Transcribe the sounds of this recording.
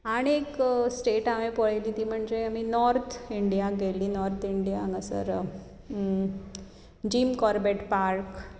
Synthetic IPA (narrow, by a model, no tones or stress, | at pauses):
aɽ̃ieksʈeʈaʋepəɭjliːt̪iːm̤əɳd͡ʑeaminɔɾt̪ʰiɳɖijaɡʱeliːnɔɾt̪ʰiɳɖijaŋɡəsə̰ɾ | d͡ʑiːmkɔɾbeʈpaɾk